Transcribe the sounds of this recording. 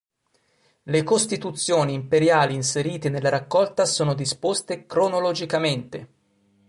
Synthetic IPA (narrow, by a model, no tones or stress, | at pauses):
lekost̪it̪ut̪sːjoːniːmpeɾjaːliːnseɾiːt̪enelːaɾakːɔlt̪asoːnod̪ispost̪ekɾonolod͡ʒikament̪e